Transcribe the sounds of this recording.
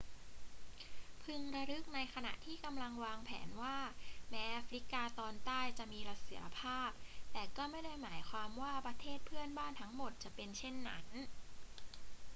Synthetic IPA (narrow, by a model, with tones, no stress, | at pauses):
pʰɯ˧ŋɾa˧ɾɯ˦˥k̚na˧jkʰa˧na̰˨˩ʔt̪ʰiː˥˩ka˧mla˧ŋwaː˧ŋpʰɛ̰ː˩˦nwaː˥˩mɛː˦˥ʔa˦fɾi˦˥kaː˧t̪ɔː˧nt̪aː˥˩jt͡ɕa˨˩ʔmiː˧ɾa˦˥si˩˦ɾa˧pʰaː˥˩p̚t̪ɛː˨˩kɔː˥˩ma˥˩jda˥˩jmaː˩˦jkʰwaː˧mwaː˥˩pɾa˧t̪ʰeː˥˩t̪̚pʰɯ˥˩ənbaː˥˩nt̪ʰa˦˥ŋmo˨˩t̪̚t͡ɕa˨˩pe˧nt͡ɕʰe˥˩nːa̰˦˥n